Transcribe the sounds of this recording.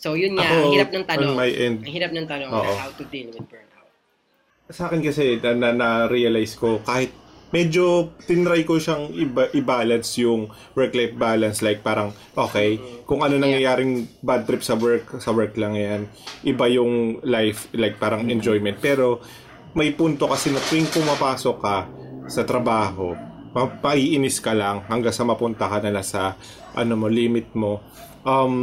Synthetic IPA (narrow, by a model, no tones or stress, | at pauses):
sojʊnaoɾp̚nɐŋt̪ɐmɐjʔɛnd̪̚ɐhiɾap̚nɐŋt̪ɐnoŋʔoːʔohawt̪ʊd̪ilwɪd̪pɛ | sɐʔaːkɪnkɐsɛɐnɐnɐɾiɐlajsko̞kaːhɪt̪̚mɛd͡ʒo̞t̪ɪnɾajkoʃaŋɪbaʔɪbaːlɐd̪sjʊŋ | wɛɹklajfbaːlɐnslajk̚paːɾɐŋ | ʔo̞ːkɛjkʊŋʔɐno̞nɐŋjɐjaːɾɪŋbad̪̚t̪ɾɪp̚sɐwɛɹksɐwɛɹklɐŋjanʔɪbajʊŋlajflajk̚paːɾɐŋʔɛnd͡ʒojmɛnt̪̚pɛːɾo̞ | mɐjpunt̪o̞kɐsɛmɐkɪŋpʊmɐpaːsokːɐsɐt̪ɾɐbaːɦo̞ | mɐpɐʔiʔɪnɪskɐlɐŋhɐŋɡaŋsɐmɐpʊnt̪ɐkɐnɐlasɐ | ʔɐ̰nomoliːmɪt̪̚mo̞ | ʔɐm